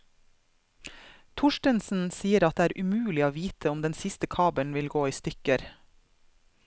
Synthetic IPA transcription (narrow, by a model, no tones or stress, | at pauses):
t̪ʰʊʃʈənsn̩siːəɾɑt̪̚d̪eːæːɾʔʉmʉːlɪoːʋiːt̪ʰəɔmd̪ɛnsɪst̪əkʰɑːbənʋɪlɡoːiːst̪ʏkəɾ